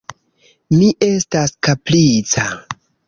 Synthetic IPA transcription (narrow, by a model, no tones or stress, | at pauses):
miʔe̞staskaplit͡sa